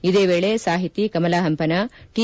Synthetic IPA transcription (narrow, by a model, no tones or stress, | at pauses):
id̪eːʋeːɭesaːɦit̪ikɐmɐlaːɦɐmpɐnɐʈi